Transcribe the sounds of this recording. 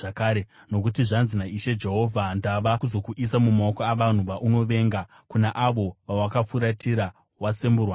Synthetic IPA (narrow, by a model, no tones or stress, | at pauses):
akaːɾe | no̞k̬utiʐanzinaiʃe̞d͡ʒe̞ɦo̞vʱandaʋakuzo̞kuʔisamumaokoaʋan̤uʋaʔuno̞ʋe̞ːŋɡa | kunaʔaʋo̞ʋawakafuɾatiɾa | wasemburwa